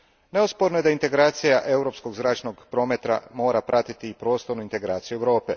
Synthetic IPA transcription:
ne̞ospoɾnoje̞d̪aint̪e̞ɡɾaːt̪sijaʔe̞wɾo̞psko̞ɡzɾaːt͡ʃno̞ɡpɾo̞ːmet̪ɾa̰mo̞ːɾapɾʔat̪it̪iːpɾo̞ːst̪oɾnuint̪e̞ɡɾa̰ːt̪sijueʋɾo̞ːpe

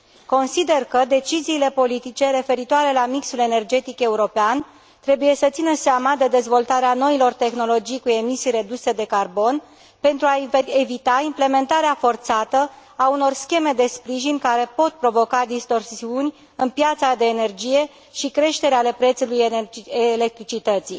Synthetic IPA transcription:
ko̞nsid̪e̞rkəd̪e̞t͡ʃiziːle̞po̞lit̪it͡ʃe̞ɾe̞fe̞ɾit̪oaɾe̞lamiksule̞ne̞rd͡ʒe̞t̪ike̞uɾo̞pean | t̪ɾe̞buje̞sət̪sinəseamad̪e̞d̪e̞zvo̞lt̪aɾeano̞ilo̞rt̪e̞xno̞lo̞d͡ʒijkue̞misijɾe̞d̪use̞d̪e̞karbo̞n | pe̞nt̪ɾuaevit̪aimple̞me̞nt̪aɾeafo̞rt̪sat̪ə | auno̞rskʲe̞me̞d̪e̞spɾiʒinʲkaɾe̞po̞t̪̚pɾo̞vo̞kad̪ist̪o̞rsiunʲ | ɨnpjat̪sad̪e̞ːne̞rd͡ʒije̞ | ʃikɾe̞ʃt̪e̞ɾeale̞pɾe̞t̪sulujelek̚t̪ɾit͡ʃit̪ət̪si

